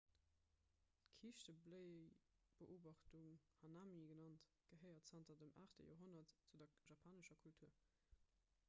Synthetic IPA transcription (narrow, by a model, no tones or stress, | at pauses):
tkʰiːʃtəbləɪb̥əʔoːbɑχtuŋhɑnaːmiɡənɑnt | ɡ̥əɦəɪɐtsɑntɐdəmʔa̰ːχtə̰jo̰ːɦonɐtt͡sudɐʒɑpʰaːnəʃɐkʰultʰuɐ